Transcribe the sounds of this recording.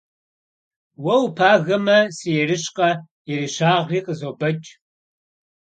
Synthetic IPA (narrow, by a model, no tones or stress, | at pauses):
wɐwpʰaːɣɐmɐsijɛrɨɕqʼɐ | jɛɾiɕaːʁiːqʼəzoːbɐt͡ʃʼ